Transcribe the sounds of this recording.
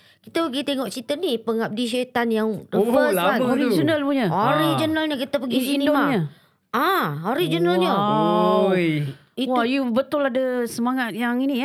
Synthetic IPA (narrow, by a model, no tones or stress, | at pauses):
kit̪əpəɡit̪eŋɔʔt͡ʃit̪ənipəŋap̚diʃ̬et̪anjaŋrəbəoɾid͡ʒənəlpuɲəoɾid͡ʒənəlɲəkit̪əpəɡisinimaɲə | aoɾid͡ʒənəlɲə | iwajubət̪ʊladəsəmaŋat̪̚jaŋini